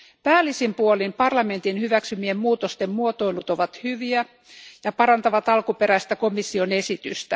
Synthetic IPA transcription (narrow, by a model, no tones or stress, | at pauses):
pæːlisimpuolimpɑrlɑme̞nt̪inhyʋæksymiemmuːt̪ost̪emmuot̪o̞ilut̪o̞ʋɑt̪hyʋiæ | jɑpɑɾɑnt̪ɑʋɑt̪ɑlkupeɾæist̪æko̞misːione̞sit̪yst̪æ